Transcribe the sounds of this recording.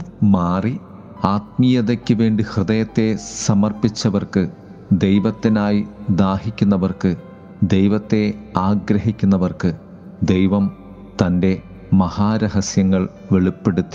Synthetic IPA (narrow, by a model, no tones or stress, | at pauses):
maːri | aːt̪̚mijɐðɐkʲːɨʋe̞ːɳɖihrɨðɐjɐt̪ːe̞sɐmɐrpit͡ɕːɐʋɐrkɨ | d̪e̞jʋɐt̪ːinaːjid̪aːhikʲːunːɐʋɐrkɨ | d̪e̞jʋɐt̪ːe̞aːɡɾɐɦikʲːunːɐʋɐrkɨ | d̪e̞jʋɐm | t̪ɐnde̞ | mɐhaːɾɐɦɐsjɐŋːɐɭ | ʋeɭipːe̞ɽut̪ːi